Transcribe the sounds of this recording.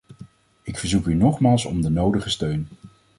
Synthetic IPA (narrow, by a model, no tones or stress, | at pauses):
ɪkfəɹzukynɔχmaːlˠsɔ̰mdənowdəχəstøɥn